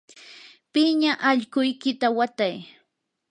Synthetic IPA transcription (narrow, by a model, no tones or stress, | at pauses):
pɪɲaʔaʎkʊjkɪt̪awat̪aj